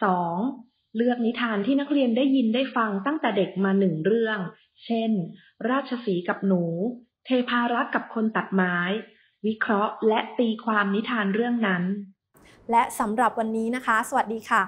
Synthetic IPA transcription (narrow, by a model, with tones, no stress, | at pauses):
sɔː˩˦ŋ | lɯ˥˩ək̚ni˦˥t̪ʰaː˧nt̪ʰiː˥˩na˦˥k̚ɾi˧əndaː˥˩jːi˧ndaː˥˩jfa˧ŋt̪a˥˩ŋt̪ɛː˨˩de˨˩k̚maː˧nɯ˨˩ŋɾɯ˥˩əŋ | t͡ɕʰe˥˩n | ɾaː˥˩t̪̚t͡ɕʰa˧siː˩˦ka˨˩p̚nuː˩˦ | t̪ʰeː˧pʰaː˧ɾa˦˥t̪̚ka˨˩p̚kʰo˧nt̪a˨˩t̪̚maː˦˥j | wi˦˥kʰɾɔ˦˥ʔlɛ˦˥ʔt̪iː˧kʰwaː˧mni˦˥t̪ʰaː˧nɾɯ˥˩əŋna˦˥n | lɛ˦˥ʔsa˩˦mɾa˨˩p̚wa˧nːiː˦˥na˦˥kʰa˦˥sa˨˩wa˨˩t̪̚diː˧kʰa˥˩